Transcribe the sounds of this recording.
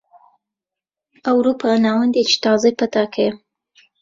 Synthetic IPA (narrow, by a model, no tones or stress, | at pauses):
awɾupanawand̪et͡ʃe̥t̪ɑzapat̪akʰaja